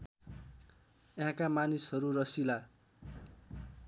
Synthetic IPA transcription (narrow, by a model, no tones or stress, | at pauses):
jãkamanisɦʌɾurʌsila